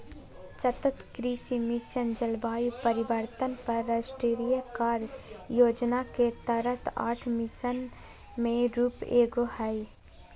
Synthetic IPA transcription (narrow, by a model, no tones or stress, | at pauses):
sət̪ət̪kɾiʃimɪʃənd͡ʒəlbaːipəɾɪbəɾt̪ənpɐɾːəsʈɾeːɾijəkaːɾjoːd͡ʒnaket̪əɾət̪a̰ːʈʰmɪʃən | mẽɾuːpeːɡohɛi